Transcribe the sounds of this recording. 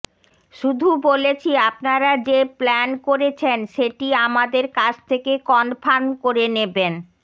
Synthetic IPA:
ʃud̪ʱubolet͡ɕʰiapnaɾad͡ʑeplɛnkoɾet͡ɕʰenʃeʈiamad̪eɾkat͡ɕʰt̪ʰekekɔnpʰankoɾeneben

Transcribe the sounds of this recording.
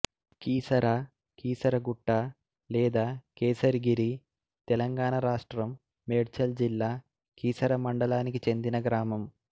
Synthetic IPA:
kiːsɐɾaː | kiːsɐɾɐɡuʈːaː | lɛːd̪aːkeːsɐɾiɡiɾi | t̪ɛlɐŋɡaːɳɐɾaːʂʈɾɐmː | eːɽt͡ʃɐld͡ʒilːaː | kiːsɐɾɐmɐɳɖɐlaːnikit͡ʃe̞nd̪inɐɡɾaːmɐm

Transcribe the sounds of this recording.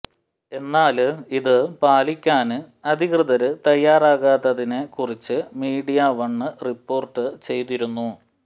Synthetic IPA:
e̞nːaːliðɨpaːlikʲːaːnɨɐd̪ʱikrɨðɐɾɨt̪ɐjːaːraːɣaːt̪ːɐðinekurit͡ɕːɨmiːɽijaʋɐɳːɨripːo̞ːrʈːɨt͡ɕe̞jt̪iɾunːu

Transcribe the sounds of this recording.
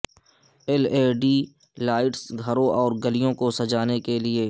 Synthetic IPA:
ɛleːɖiː | laːɪʈsɡʱɐɾõʔɔːɾɡəlijõkosɐd͡ʒaːnekelie

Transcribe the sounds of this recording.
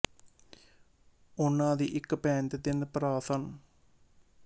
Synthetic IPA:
ʊnːãːd̪iːʔɪkpɛ̃ːnt̪ed̪ɪnpəɾaːsən

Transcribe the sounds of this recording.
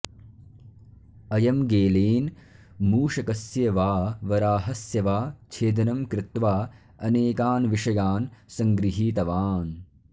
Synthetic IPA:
ɐjɐmɡeːleːn | muːʃɐkɐsjɐʋaːʋɐɾaːɦɐsjɐʋaːt͡ʃʰeːd̪ɐnɐmkɾɪt̪ʋaː | ɐneːkaːnʋiʂɐjaːnsɐŋɡɾiɦiːt̪ɐʋaːn

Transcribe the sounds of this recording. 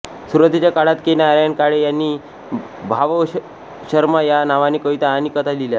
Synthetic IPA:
suɾət̪it͡ɕjakaɽat̪kenaɾjankaɽejanːiː | bʱaʋə | ɕəɾmajanaʋaniːkəʋit̪aːniːkət̪ʰad̪ilja

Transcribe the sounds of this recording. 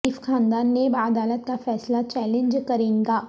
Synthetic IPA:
iːfxaːnd̪aːnːeːbəd̪aːlət̪kafɛːslat͡ʃɛːlẽɲd͡ʒkɐɾẽːŋɡaː

